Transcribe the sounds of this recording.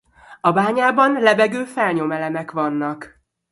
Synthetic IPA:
ɒbaːɲaːbɒnlɛbɛɡøːfɛlɲo̞mɛlɛmɛkʋɒnːɒk

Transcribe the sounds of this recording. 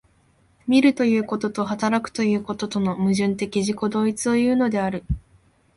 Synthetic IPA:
mʲiɾɯ̟t̪o̞jɯ̟ːko̞t̪o̞t̪ohat̪aɾakɯ̟̥t̪o̞jɯ̟ːko̞t̪o̞t̪o̞no̞mɯ̟ʑɨ̃nt̪e̞kʲiʑiko̞d̪o̞ːit͡sɨo̞jɯ̟ːno̞d̪e̞aɾɯ̟

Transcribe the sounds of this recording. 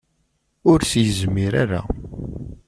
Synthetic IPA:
ʊɾsjəzmiɾaɾa̰

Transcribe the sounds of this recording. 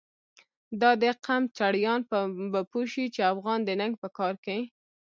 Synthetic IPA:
d̪ɑd̪əqamt͡ʃaɽjɑnpbapoʃit͡ʃeafɣɑnd̪ənaŋɡ̚pəkɑɾkai

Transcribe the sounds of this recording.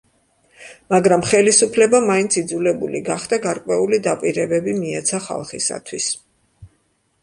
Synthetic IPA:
maɡɾamχɛlisupʰlɛbamaint̪sʰid̪zulɛbṵlḭɡaχd̪aɡaɾkʼwɛulid̪apʼiɾɛbɛbimiɛt̪sʰaχa̰lˠχḭsa̰t̪ʰwis

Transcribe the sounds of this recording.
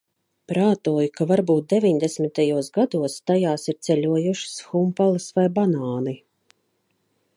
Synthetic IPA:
pɾaːt̪uɔjukavaɾbuːt̪̚d̪evʲiɲd̪esmʲit̪ajuɔsɡad̪uɔst̪ajaːsiɾt̪sɛʎʲuɔjuʃi̥sxumpalˠɨsvajbanaːni

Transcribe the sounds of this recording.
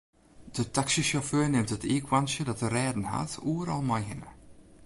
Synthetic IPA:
d̥ətaksiʃoføːɹnɪmtətʰiːkʰwansjədɔtərɛːdn̩ha̰tuːəɾɑlˠmajɦɪnə̰

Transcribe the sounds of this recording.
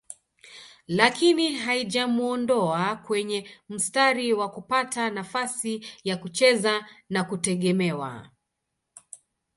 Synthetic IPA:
lakiniɦaiʄamuɔndɔakwɛɲɛm̩staɾiwakupatanafasijakut͡ʃɛzanakutɛɠɛmɛwa̰

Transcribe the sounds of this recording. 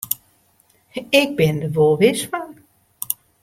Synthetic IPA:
ɪɡ̚bɪndəʋoʋɪsʋaŋ

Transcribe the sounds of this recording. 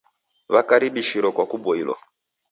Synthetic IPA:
βakaɾiɓiʃiɾɔkwakuɓɔilwa̰

